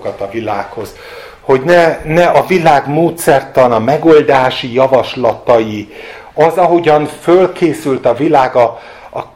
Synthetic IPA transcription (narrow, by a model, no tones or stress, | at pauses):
kɒt̪ɒvilaːkho̞z̥ | ho̞ɟnɛnɛɒvilaːɡmoːt̪sɛrt̪ɒnɒmɛɡo̞ld̪aːʃijɒvɒʃlɒt̪ɒji | ɒzɒɦo̞ɟɒnfølkʰeːsylt̪ɒvilaːɡɒː